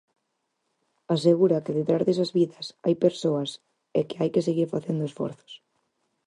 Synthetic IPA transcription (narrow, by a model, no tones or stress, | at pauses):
aseɣuɾɐkeðet̪ɾazðesɐzβiðɐsa̰jpeɾsoɐs | ɛkeajkeseɣiɾfaθend̪oesfɔ̰ɾθo̥s